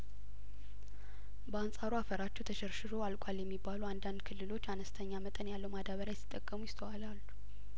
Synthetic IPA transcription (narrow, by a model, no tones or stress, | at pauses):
bəansʼaɾuafəɾat͡ʃːɛwt̪ʰəʃɛɾʃɨɾo̞alkʷʼaljɛmːibːaluwand̪and̪kʰɨlːɨlo̞t͡ʃːanəst̪ʰəɲːamət̪ʼənjalːəwmad̪aβəɾjajɛsi̥t̪ʼːəkʼːəmujɪst̪ʰəwalalːu